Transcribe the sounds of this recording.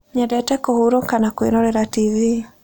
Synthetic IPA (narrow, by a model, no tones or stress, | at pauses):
ɲɛdɛtɛkohuɾokanakweɾɔɾɛɾativi